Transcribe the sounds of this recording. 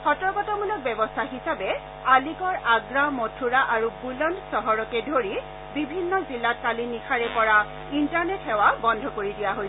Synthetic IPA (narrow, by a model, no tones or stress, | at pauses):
xɔtɔɹkɔtɔmulɔk̚bɛbɔstʰaxisabɛ | alikɔɹaɡɹamotʰuɹaʔaɹubulɔnsɔɦɔɹɔkɛdʱoɹi | bibʱinːɔzilːat̚kalinikʰaɹɛpɔɹa | intaɹnetxɛwabɔndʱɔkoɹidijaɦojsɛ